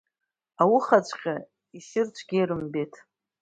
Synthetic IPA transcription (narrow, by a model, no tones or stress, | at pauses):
awʊχat͡ʃʷʰʼqʲa | isɪrt͡ʃʷʰɡʲijɾɨmbetʰ